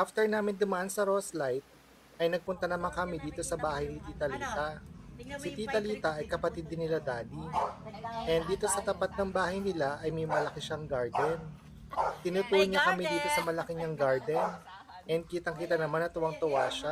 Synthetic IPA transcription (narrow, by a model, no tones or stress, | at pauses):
ʔaft̪ɛɹnaːmɪnd̪ʊmɐʔansɐɾoslajt̪̚ | ʔɐjnɐɡ̚pʊnt̪ɐnɐmaŋkɐmid̪iːt̪o̞sɐbaːhɐjnɪt̪iːt̪ɐliːt̪ɐ | sɪt̪iːt̪ɐliːt̪ɐʔɐjkɐpɐt̪ɪd̪ːɪnːɪlad̪aːli | ʔɛnd̪iːt̪o̞sɐt̪ɐpat̪̚nɐŋbaːhɐjnɪlaʔɐjmɛjmɐlɐkɪʃɐŋɡaɹd̪ɛn | t̪ɪnut̪uːhɐɲɐkɐmid̪iːt̪o̞sɐmɐlɐkɪɲɐŋɡaɹd̪ɛn | ʔɛnd̪̚kiːt̪ɐŋkit̪ɐnɐmanɐt̪ʊwɐŋt̪ʊwaːʃɐ